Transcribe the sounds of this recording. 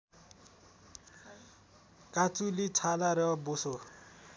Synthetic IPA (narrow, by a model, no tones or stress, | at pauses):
kʼat͡sʼulɪtʰalaɾɛɔbʊso